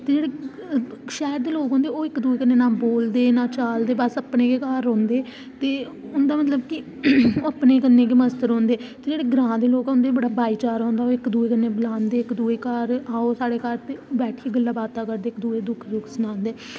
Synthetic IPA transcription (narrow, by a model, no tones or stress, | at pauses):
t̪eːd͡ʒeːɽeː | ʃɛːɾd̪eːloːkõːnd̪eːoːɪkd̪uːeːkənːẽːnãːboːld̪eːnãːt͡ʃaːld̪eːbəsəpnẽːkekaːɾõːnd̪eː | t̪eː | ʊnd̪aːmət̪ləbkɪ | oːəpneːkənːẽːk̬eːməst̪əɾɦõːnd̪eːt̪eːd͡ʒeːɽeːɡɾãːd̪eːloːkõːnd̪eːibəɽaːbaːiːt͡ʃaːɾɦõːnd̪aːoːɪkd̪uːeːkənːeːbəlãːnd̪eːɪkd̪uːeːkaɾaːosaːɽeːkaɾt̪eːbɛːʈʰiiɡəlːaːbaːt̪aːkəɾd̪eːɪkd̪uːeːd̪ʊkʰd̪ʊkʰsənãːnd̪eː